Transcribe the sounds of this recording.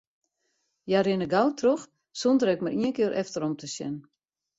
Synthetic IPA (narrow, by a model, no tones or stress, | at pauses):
jaɾɪnəɡawtʰrox | sondəɾɛkmaɾiənkɪəɾʔɛftəɾɔmtʰəsjɛ̰n